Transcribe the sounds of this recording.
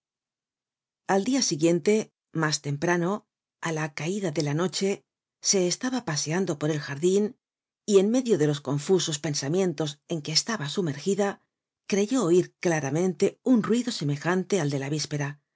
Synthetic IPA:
ald̪iasiɣje̞nt̪e̞ | mast̪e̞mpɾano̞ | alakaiðaðe̞lano̞t͡ʃe̞ | se̞ːst̪aβapase̞and̪o̞po̞ɾe̞lxaɾðin | ie̞nme̞ðjo̞ðe̞lo̞sko̞ɱfuso̞spe̞nsamje̞nt̪o̞se̞ŋke̞ːst̪aβasume̞ɾxiða | kɾe̞ʝo̞ːiɾklaɾamẽ̞nt̪e̞unrwiðo̞se̞me̞xant̪e̞ald̪e̞laβispe̞ɾa

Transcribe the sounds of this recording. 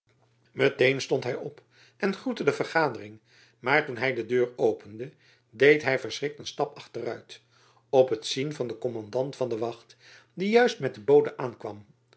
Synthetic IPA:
mətejnstɔntɦɛjɔp | ʔɛnχutədəvərχaːdərɪŋ | maːɹtunɦɛjdədøːɹowpəndə | dejtɦɛjfəɹsrɪk̚tənstɑpɑχtərœɥt | ɔpətsinvɑndəkɔmɑndɑntfɑndəʋɑχt | dijœɥstmɛt̚dəbowdənʔaːnkʋɑ̰m

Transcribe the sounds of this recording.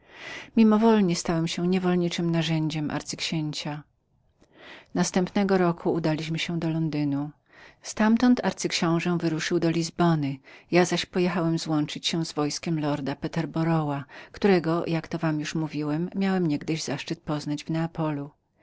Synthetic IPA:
mʲimɔvɔlɲɛst̪awɛmɕɛɲɛvɔlɲit͡ʂɘmnaʐɛɲd͡ʑɛmʔa̰ɾt̪sɘkɕeɲt͡ɕa | nast̪ɛmpnɛɡɔɾɔkʰuːd̪alʲiɕmɘɕɛ̃d̪ɔlɔnd̪ɘnu | st̪amt̪ɔnt̪ʰaɾt̪sɘkɕɔ̃w̃ʐɛ̃vɘɾuʂɘwd̪ɔlʲizbɔnɘjazaɕpɔjɛxawɛmzwɔnt͡ʂɘt͡ɕɕɛ̃zvɔjskʲɛmlɔɾd̪apɛt̪ɛɾbɔɾɔwakt̪uɾɛɡɔjakt̪ɔvamjuʂmuvʲiwɛmːjawɛmɲɛɡd̪ɘʑzaʂt͡ʂɘt̪̚pɔznad͡ʑvnɛapɔlu

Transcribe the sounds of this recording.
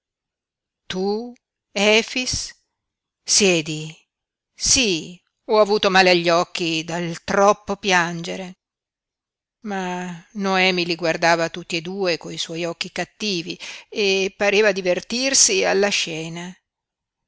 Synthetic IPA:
t̪u | ɛːfis | sjɛːd̪i | si | ɔavuːt̪omaːleaʎːɔk̟ːid̪alt̪ɾɔpːopjand͡ʒeɾe | manoɛːmiliɡward̪aːvat̪ut̪ːied̪uːekoiswɔjɔkːikat̪ːiːviepaɾeːvad̪ivert̪irsialːaʃɛːna

